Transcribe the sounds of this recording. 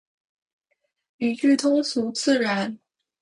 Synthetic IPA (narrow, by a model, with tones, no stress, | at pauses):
y˨˩t͡ʃy˥˩t̪ʰʊ˥ŋsu˧˥t͡sɹ̩˥˩ɻa˧˥n